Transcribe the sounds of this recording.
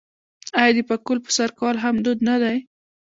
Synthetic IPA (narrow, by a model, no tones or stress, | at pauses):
ajɑd̪əpakʊlpə̥saɾkɑlɦamd̪ud̪nad̪aj